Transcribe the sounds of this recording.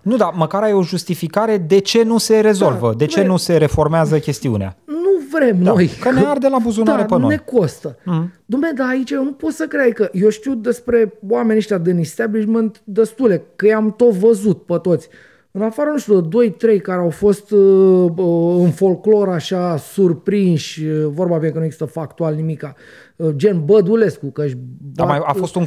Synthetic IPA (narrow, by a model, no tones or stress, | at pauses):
nud̪aməkaɾajeo̞ʒust̪ifikaɾe̞d̪e̞t͡ʃe̞nuse̞ɾe̞zo̞lvəd̪e̞t͡ʃe̞nuse̞ɾe̞fo̞rmeazəkʲe̞st̪iṵnea̰nuvɾe̞mno̞jkəneard̪elabuzunaɾɾepənone̞ko̞st̪əd̪umed̪aːit͡ʃejnupot̪səkɾejkəje̞ʃt̪iwd̪e̞spɾe̞wame̞nʲeʃt̪ʲad̪ɨnist̪abliʃment̪d̪est̪ule̞kəjamt̪o̞t̪vəzut̪̚pət̪o̞t̪sʲ | ɨnafaɾənuʃt̪ʲud̪əd̪o̞jt̪ɾe̞jkaɾeawfo̞st̪ | əɨnfo̞lklo̞ɾaʃasurpɾinʃʲvo̞rbabenekənueɡzi̥st̪əfakt̪ualnimika | d͡ʒe̞nbəd̪ule̞skukəʃdb̪amajafost̪uŋ